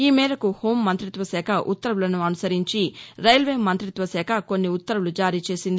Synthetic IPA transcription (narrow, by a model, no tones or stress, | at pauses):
iːmɛːɾɐkuhoːmːɐnt̪ɾit̪ʋɐsɛːkʰɐʔṵt̪ːɐɾulɐnuɐnusɐɾiɲt͡ʃiɾɐjɐlʋe̞ːmɐnt̪ɾit̪ʋɐsɛːkʰɐko̞nːiut̪ːɐɾulud͡ʒaːɾiːt͡ʃe̞ːsind̪i